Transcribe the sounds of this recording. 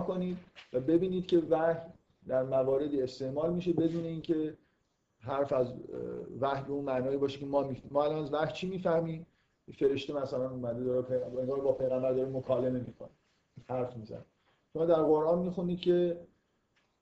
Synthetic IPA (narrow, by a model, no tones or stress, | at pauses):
koniːd̪væbe̞biːniːd̪̥̚cʰe̞væh | d̪æɾmæɣɒːɾe̞d̪iːest̪e̞ʔmɒːlmiːʃe̞be̞d̪uːne̞iːncʰe̞ | ɦæɾfæzvæhbe̞unmænɒːibɒːʃecʰe̞mɒmimɒːælɒːnæzvæht͡ʃʰiːmiːfæhmiː | fe̞ɾe̞ʃt̪e̞mæsælænumæd̪ed̪ɒːɾepʰeeŋɡɒːɾbɒːpʰe̞jɣæmbæɾd̪ɒːɾimokʰɒːle̞me̞miːkʰone | hæɾfmiːzæ̰ne | ʃomɒːd̪æɾɣoɾʔɒːnmixuniːd̪̚cʰe̞